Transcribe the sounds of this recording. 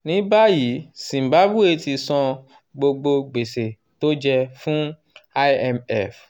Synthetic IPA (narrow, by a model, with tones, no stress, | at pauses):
nĩ˨˦ba˦ji˨˦sĩ˨m˨ba˨˦bu˦e˧ti˧sɔ̃˧ | ɡ͡bo˧ɡ͡bo˧ɡ͡be˨se˨ | to˦d͡ʒɛ˧fũ˦ | a˧ɛ˧mɛ˦f